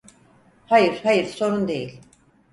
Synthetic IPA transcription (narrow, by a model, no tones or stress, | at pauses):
hajɯɾ̥hajɯɾso̞ɾund̪e̞jḭlʲ